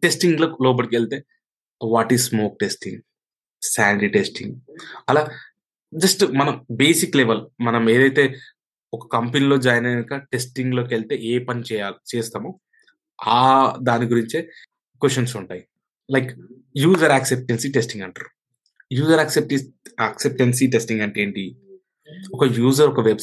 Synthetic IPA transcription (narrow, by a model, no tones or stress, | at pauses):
ʈesʈiŋɡloːloːb̬ɐʈikeɭt̪e̞ː | ʋaːʈizsmoːk̚ʈesʈiŋɡ | saːɳɖiʈesʈḭŋɡɐlaː | d͡ʒɐsʈmɐnɐmbeːsikleʋɐlmɐnɐmeːd̪ɐjt̪e̞ː | ɔkɐ̥kɐmpenilo̞ːd͡ʒaːjɐneikɐʈe̞sʈiŋɡlo̞ːkeɭt̪e̞eːpɐnt͡ʃɛːjat͡ʃɛːst̪aːmoː | aːd̪aːniɡuɾiɲt͡ʃe | kwesɐnsuɳʈaːji | lɐjk | juːd͡ʒɐɾaːksep̚ʈensiʈesʈiŋɡɐɳʈaɾu | juːzɐɾɐksep̚ʈiɐksep̚ʈensiʈe̞sʈiŋɡɐɳʈeːɳʈi | ɔkɐjuːzɐɾɔkɐʋeb